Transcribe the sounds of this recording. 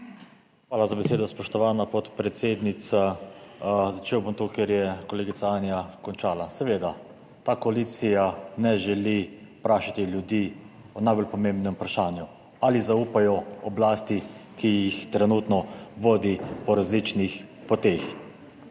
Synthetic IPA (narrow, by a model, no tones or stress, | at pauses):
xʋaːlazabɛseːd̪ɔspɔʃt̪ɔʋaːnapɔt̪pɾɛt̪seːd̪nit̪sa | zat͡ʃeːwbomt̪okeɾjɛkɔleːɡit̪saanjakɔnt͡ʃaːlasɛʋeːd̪a | t̪aːkɔalit̪sijanɛʒɛlipɾaːʃat̪iljud̪iː | ɔnajbɔlpɔmẽmbnɛmpɾaʃaːnju | alizauːpajɔɔblaːst̪ikijixt̪ɾɛnuːt̪nɔʋoːd̪ipɔɾazliːt͡ʃnixpɔt̪eːx